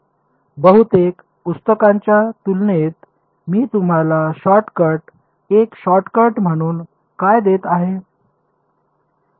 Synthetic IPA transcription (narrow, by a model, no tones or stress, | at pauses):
bəɦut̪ek | pust̪əkãɲt͡ɕjat̪ulnet̪ | miːt̪um̤alaɕɔʈkəɾʈ | ekɕɔʈkəɾʈm̤əɽ̃uːn | kajd̪et̪aɦe